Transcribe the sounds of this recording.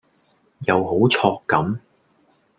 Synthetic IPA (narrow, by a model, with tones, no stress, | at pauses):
jɐ˨˧wɦo˨˥wt͡sʰɔː˧kːɐ˨˥m